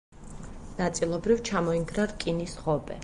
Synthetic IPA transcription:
nat̪sʼilˠɔbɾivt͡ʃʰamɔiŋɡɾaɾkʼinisχɔbɛ̰

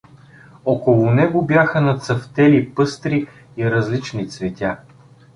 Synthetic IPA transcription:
okolˠʊnɛɡʊbjaxənɐt̪səft̪ɛlipɤst̪ɾiː | ɾɐzlit͡ʃnit̪svɛt̪ʲa

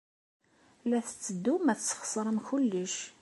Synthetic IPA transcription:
læθət͡sːəd̪ːumæθt͡sːχsˤɾˤəmçʊlːəʃ

